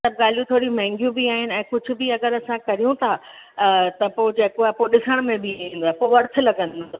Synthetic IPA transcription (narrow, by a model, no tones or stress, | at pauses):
əb̚ɡaːl̤ijũt̪ʰoːɾĩmɛ̃ɦɪ̃ŋɡijũbiaːɦɪnɪ̆ɛ̃ːkʊd͡ʑʱʊ̆bɪɐɡəɾɐsãkɐɾijũt̪ʰa | t̪ɐpoːd͡ʑeːkoaːpoɗɪsəɽ̃mẽbʱɪĩːn̆d̪oaɦepoːʋɐɾt̪ʰʊ̆lɐɡə̃n